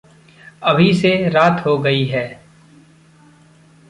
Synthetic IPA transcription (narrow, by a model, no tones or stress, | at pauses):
ɐbʱiseɾaːt̪ɦoɡɐiɦɛː